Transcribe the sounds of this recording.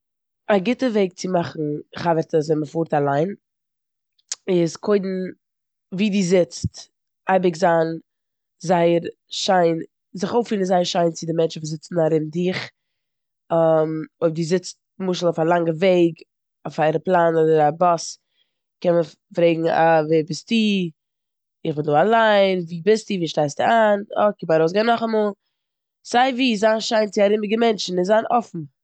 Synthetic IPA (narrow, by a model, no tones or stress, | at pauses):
aɡɪtəveɪk̚t͡sɪmaχn̩χavəɾtəszɛməfuːɾtalˠaɪn | ɪskʰoɪdn̩ | viːdiːzɪt͡st | aɪbɪkzaːn | zaɪəɾ | ʃaɪn | zɪχoʊfiːnənzaɪəɾʃaɪnt͡sɪdɪmɛnt͡ʃvuːzɪt͡sn̩aɾɪmdɪχ | amoɪbdizɪt͡st | mʊʃl̩ˠɔfalˠaŋɡəveɪɡ | ofaɛɾəplˠaːnɔdəɾabɔs | kɛnmə | fɾeɪɡŋ̩a̰vebɪstiː | ɪχbɪnduːalˠaɪnviːbɪstiviːʃtaɪstɪaːnɔ̰kɪbaɾoʊs̬ɡaːnːɔχamɔlˠ | z̥aɪviːzaːnʃaɪnt͡sɪaɾɪmɪɡəmɛnt͡ʃn̩ɪnzaːnɔfn̩